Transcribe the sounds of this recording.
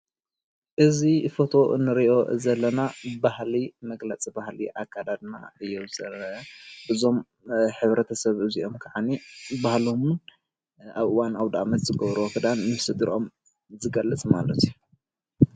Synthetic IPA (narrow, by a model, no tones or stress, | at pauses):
ʔɨzifo̞t̪ʰo̞ʔɨ̰nːɨɾiʔo̞zɐlːɐnabahlimɐɡlɐt͡sʼibahlḭʔakʰːad̪ad̪na̰ɨjːozɐlɐbɨzo̞m | ħɨβɾɐt̪ʰɐsɐβɨziʔo̞mkʰaʕanibahlo̞mun | ʔaβʔɨwanaβd̪aʔamɐt̪zɨɡɐβɾuwkʰɨd̪anːɨsɨd̪ɨɾʔo̞̰m | zɨɡɐlːɨt͡sʼmalɐt̪ʰiu